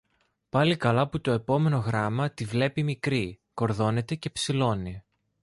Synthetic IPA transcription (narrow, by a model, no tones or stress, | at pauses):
pɐlikɐlɐput̪o̞e̞po̞me̞no̞ɣɾɐmɐt̪ivle̞pimikɾi | ko̞ɾðo̞ne̞t̪e̞ce̞psilo̞ni